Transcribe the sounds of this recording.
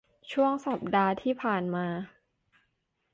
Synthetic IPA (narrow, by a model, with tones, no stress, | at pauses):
t͡ɕʰu˥˩əŋsa˨˩p̚daː˧t̪ʰiː˥˩pʰaː˨˩nmaː˧